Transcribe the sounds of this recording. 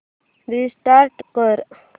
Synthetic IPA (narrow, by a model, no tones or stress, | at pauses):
ɾisʈaɾʈkəɾ